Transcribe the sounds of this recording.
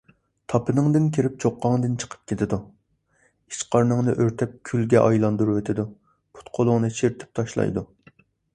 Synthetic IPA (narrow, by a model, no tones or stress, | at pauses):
t̪ʰɑpʰɨnɨŋd̪ɪnkʲʰiɾɪp̚t͡ʃʰoqːɑŋd̪ɨnt͡ʃʰə̥qʰə̥p̚kʲʰet̪ʰɪd̪u | it͡ʃqʰɑɾnɨŋnɨʔøɾt̪ʰɛp̚kʲʰylɡʲɛʔɑjlˠɑnd̪uɾuvet̪ʰɪd̪u | pʰu̥t̪qʰolˠʊŋnɨʃʰiɾt̪ʰɪ̥p̚t̪ʰɑʃlˠɑ̰jd̪u